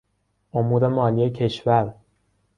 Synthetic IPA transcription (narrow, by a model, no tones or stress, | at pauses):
ʔomuːɾe̞mɒːlijecʰe̞ʃvæɾ